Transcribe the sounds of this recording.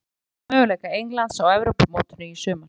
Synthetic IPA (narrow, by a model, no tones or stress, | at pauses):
mœːɣʏlejkaejŋlant̪sawɛvɾowpamoːwt̪ʏnʏisʏːma